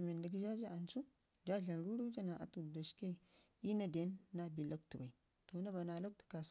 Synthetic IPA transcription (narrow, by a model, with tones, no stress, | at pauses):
me˨nda˨ɡi˦d͡ʒa˦d͡ʒa˦a˨nsu˦ | d͡ʒa˦ɬa˨nɾu˦ɾu˦d͡ʒa˦na˨ʔa̰˨tu˨do˨ʃke˦˨ | i˦na˨de˨˦nːa˦˨bi˨lo˦k̚tu˨ba˨i˨ | to˨na˦ba˨na˨lo˦k̚tu̥˨ka˨s